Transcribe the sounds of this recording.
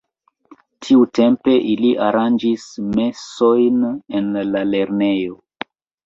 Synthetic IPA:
tʰiute̞mpe̞ʔiliʔaɾand͡ʒisme̞so̞jnenlale̞ɾne̞jo̞

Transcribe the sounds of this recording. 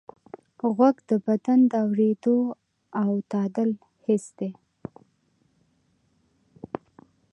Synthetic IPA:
ɣwaɡd̪əbad̪and̪əawɾed̪o | awt̪ɑd̪əl | hɪsd̪e

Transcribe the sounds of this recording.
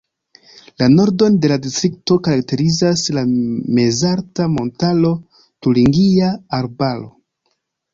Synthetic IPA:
lano̞ɾdo̞nde̞ladistɾik̚to̞kaɾak̚te̞ɾizaslame̞zaɾtamo̞ntalo̞ | tuliŋɡiaːɾbalo̞̰

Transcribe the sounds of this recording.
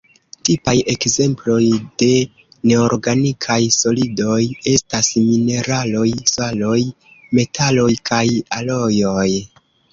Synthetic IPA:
tipaje̞kze̞mplo̞jde̞ | ne̞oɾɡanikʰajso̞lido̞je̞stasmine̞ɾalo̞jsalo̞j | me̞tʰalo̞jkʰajalo̞jo̞j

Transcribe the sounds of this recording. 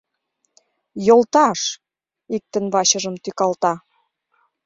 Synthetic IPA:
jolt̪ɑʃ | ik̚t̪ə̆nβɑɕə̆ʒə̆mt̪ykɑlt̪ɑ

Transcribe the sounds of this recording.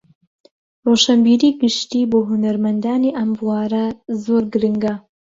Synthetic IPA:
roʃɐmbiːɾiːɡɨʃt̪iːboːɦunɐɾmɐnd̪aːniʔɐmbuwaːɾɐzoːɾɡɨɾɨŋɡɐ

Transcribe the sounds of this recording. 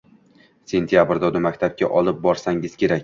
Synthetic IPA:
se̞nt̪ʰijabɾd̪ad̪ʊmakʲt̪ʰap̚kʲa̰ʔɒlˠɪp̚bɒɾsaŋɪz̥kʲʰe̞ɾakʲ

